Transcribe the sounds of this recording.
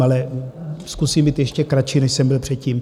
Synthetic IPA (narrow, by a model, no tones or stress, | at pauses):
alɛskusiːmbiːt̪jɛʃcɛkɾat͡ʃiːnɛʃsɛmbɪlpr̥ɛt̪ciːm